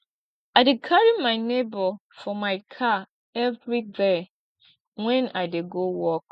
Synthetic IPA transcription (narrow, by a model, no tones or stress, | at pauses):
aɪdɪkʰaɹimãɪnebɔfɔmaɪkʰa | ɛvɹide | wɛ̃naɪdeɡowɔk̚